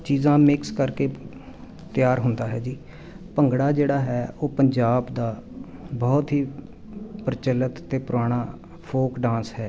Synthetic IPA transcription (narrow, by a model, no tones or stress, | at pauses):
t͡ʃiːzãːmɪkskəɾkeː | t̪ɪjaːɾɦʊnd̪aːɦɛːd͡ʒiː | pəŋɡɽaːd͡ʒeːɽaːɦɛːʔoːpəɲd͡ʒaːbd̪aː | bɔːt̪ɦiː | pəɾɪt͡ʃəlːət̪t̪eːpʊɾaːɽ̃aː | pʰoːkɖãːnsɦɛː